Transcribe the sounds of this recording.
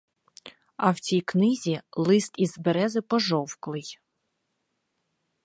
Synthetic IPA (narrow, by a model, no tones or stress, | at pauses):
ɐwt͡sʲijknɪzʲilˠɪst̪izbeɾɛzɪpɔʒɔwklˠɪj